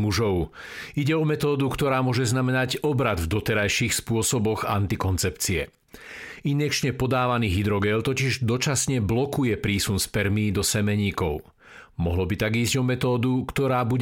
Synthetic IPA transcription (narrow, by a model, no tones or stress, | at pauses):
muʒɔʊiɟɛɔmɛt̪ɔːd̪ukt̪ɔɾaːmʊɔʒɛznamɛnaɟɔbɾad̪vd̪ɔt̪ɛɾajʃiːxspʊɔsɔbɔɣa̰nt̪ikɔnt͡sɛpt͡siɛ̰ | inɛk̚t͡ʃɲɛpɔd̪aːʋaniːɦid̪ɾɔɡɛnt̪ɔciʒd̪ɔt͡ʃasɲɛblɔkujɛpɾiːsunspɛɾmiːd̪ɔsɛmɛɲiːkɔʊ | mɔ̰ɦlɔbit̪aɡiːzɟɔmɛt̪ɔːd̪ukt̪ɔɾaːbuɟ